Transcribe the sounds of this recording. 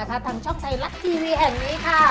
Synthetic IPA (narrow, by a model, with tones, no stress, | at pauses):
kʰa˦˥t̪ʰaː˧ŋt͡ɕʰɔ˥˩ŋt̪ʰa˧jla˦˥t̪̚t̪ʰiː˧wiː˧ɦɛː˨˩ŋniː˦˥kʰa˥˩